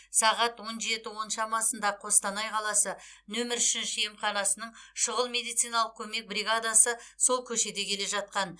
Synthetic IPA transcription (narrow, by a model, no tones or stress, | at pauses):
sɑʁɑt̪wo̞nʒe̞t̪ɪwo̞nʃɑmɑsənd̪ɑqʰo̞st̪ɑnɑjqʰɑlˠɑsə | nɵmɪɾʏʃɪnʃɪjemχɑnɑsənəɴʃəʁəlˠme̞d̪ijt̪sɨjnɑlˠəq̚kʲʰɵme̞k̚briɡad̪asəso̞lˠkʲʰɵʃe̞d̪e̞kʲʰe̞le̞ʒɑt̪̚qɑn